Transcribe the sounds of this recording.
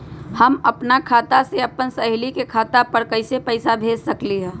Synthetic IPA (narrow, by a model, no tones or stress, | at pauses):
hɐmɐpnakʰaːt̪aseɐpənsəɦɪlikekʰaːt̪apəɾkɐɪsepəɪsabʱeːd͡ʒsəkliɦɛ̃ː